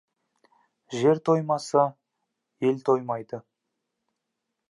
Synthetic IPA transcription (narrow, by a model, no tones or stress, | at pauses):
ʒe̞ɾt̪ʰo̞jmɑsə | je̞lt̪ʰo̞jmɑjd̪ə